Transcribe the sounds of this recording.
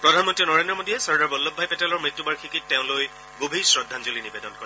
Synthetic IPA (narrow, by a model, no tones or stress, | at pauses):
pɹɔdʱanmɔntɹinɔɹendɹɔmodiɛsɔɹdaɹbɔlːɔbʱːajpɛtɛlɔɹmɹitːubaɹkʰikit̚ːɛʊ̃loj | ɡobʱisɹɔdʱːanzulinibedɔnkɔɛ